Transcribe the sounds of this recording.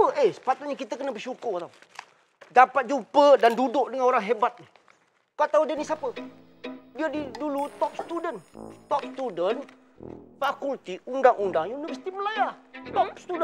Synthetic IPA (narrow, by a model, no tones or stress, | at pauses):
əʔesə̥pat̪ʊt̪̚ɲakit̪əkənəbəʃukʊrt̪aw | dapat̪̚d͡ʒupədandudʊʔ̚dəŋanoɾaŋɦebat̪̚ni | kat̪audənisapə | diadidulut̪ɔp̚sə̥t̪udənt̪ɔp̚st̪udən | fakult̪iundaŋʔundaŋjunivəsi̥t̪iməlajat̪ɔpst̪udə